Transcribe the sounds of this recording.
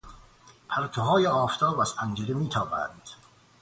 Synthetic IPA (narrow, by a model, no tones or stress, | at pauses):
pʰæɾt̪ʰoɦɒːjeɒːft̪ʰɒːbæz̥pʰænd͡ʒeɾemiːt̪ʰɒːbæ̰nd̪̥